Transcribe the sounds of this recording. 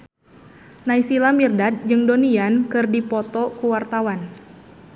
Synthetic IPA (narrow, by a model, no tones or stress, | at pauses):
naisilamirdat̪̚d͡ʒɨŋdoniankɨrdipɔt̪ɔkuwart̪awan